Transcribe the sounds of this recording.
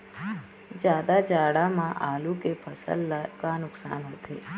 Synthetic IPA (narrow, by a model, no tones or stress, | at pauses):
d͡ʒjaːd̪ad͡ʒaːɽamãʔaːlukepʰəsə̰lːkanʊksa̰ːnɦot̪ʰḛː